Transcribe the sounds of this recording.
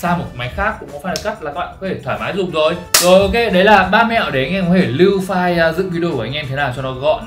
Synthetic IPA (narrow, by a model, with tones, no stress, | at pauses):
saː˧mo˨˩˨ma˨˦jxaː˦˥kːʊ̰˧˥ŋ͡mkɔ˨˦faː˧˩jka˦˥k̚laː˨˩kaː˦˥ɓaː˧˨kːɔ˨˦t̪ʰe˧˩t̪ʰwaː˧˩maː˨˦jzʊ˨˩ŋ͡mzo˨˩jzo˨˩jʔo˨˧˦ke˧ɗə˨˦jlaː˨˩ɓaː˧m˧a̰˧˨wʔɗe˧˩a˨jŋʔɛ˧mkɔ˨˦t̪ʰe˧˩li˧wfaː˧jə˧zɨ̰˧˨vi˧ɗi˧o˧kːʔa˧jŋʔɛ˧mi˧t̪ʰaː˨˩wt͡ɕɔ˧nɔ˨˦kːɣɔ̰˧˨n